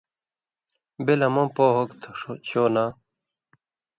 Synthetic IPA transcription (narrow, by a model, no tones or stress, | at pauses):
belɐmopoːɦokt̪ʰoʂot͡ɕʰoːna